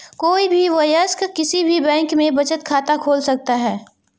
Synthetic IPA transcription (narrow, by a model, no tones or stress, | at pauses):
koːibʱiʋɐjəskkɪsibʱibɛ̃ːŋkmẽbɐt͡ʃət̪̚kʰaːt̪akʰoːlsɐk̚t̪aɦɛː